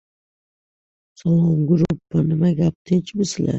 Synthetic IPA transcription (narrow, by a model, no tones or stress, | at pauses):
salˠɒmɡʊɾupːanɪmaɡʲap̚t̪ʰɪnt͡ʃʰbɪsɪla̰